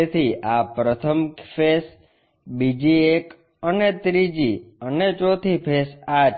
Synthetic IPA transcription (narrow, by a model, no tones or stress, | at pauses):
et̪ʰiʔapɾət̪ʰəmkfes | bid͡ʒiek | ənet̪ɾid͡ʒiənet͡ʃot̪ʰipʰesat͡ʃ